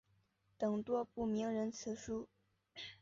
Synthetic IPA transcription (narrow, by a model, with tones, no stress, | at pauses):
t̪ɤ˨˩ŋt̪wɔ˥pu˥˩mi˧˥ŋɻə˧˥nt͡s̩ʰ˧˥ʂu˥